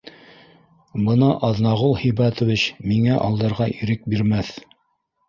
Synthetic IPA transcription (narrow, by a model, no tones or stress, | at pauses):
bɤnɑʔɑðnɑʁulˠhĭjbɑt̪ŏvit͡ɕmiŋæʔɑlˠd̪ɤ̆ɾʁɑʔiɾɘk̚biɾmæθ